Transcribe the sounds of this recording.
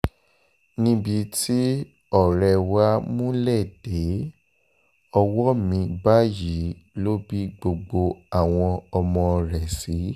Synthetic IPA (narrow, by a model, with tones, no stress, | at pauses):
nĩ˦bi˧ti˦ | ɔ˦˨ɾɛ˧wa˦mũ˦lɛ˦˨d̥e˨˦ | ɔ˧wɔ˦mĩ˧ba˦ji˨˦lo˦bi˦ɡ͡bo˧ɡ͡bo˧a˨w̃ɔ̃˧ɔ˧mɔ̃˧ɾɛ˨si˨˦